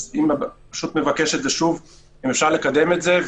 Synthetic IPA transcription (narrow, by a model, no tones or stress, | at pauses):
imabpaʃut̪me̞vakeʃetzeʃuv | amefʃaʁlekad̪e̞me̞tzev